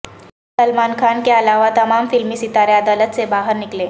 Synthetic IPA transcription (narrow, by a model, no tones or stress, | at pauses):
səlmankʰankealaʋat̪əmamfilmiːsit̪aɾead̪alət̪̚t͡sebaɦəɾnikle